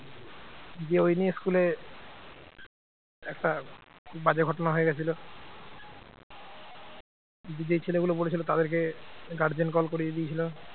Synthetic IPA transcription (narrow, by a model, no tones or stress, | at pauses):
d͡ʑeojnieskule | ɛk̚ʈakʰubad͡ʑeɡʱɔʈonaɦoeɡɛt͡ɕʰilo | d͡ʑd͡ʑet͡ɕʰeleɡulopolet͡ɕʰilot̪ad̪eɾk̬eɡaɾd͡ʑenkɔlkoɾied̪iet͡ɕʰilo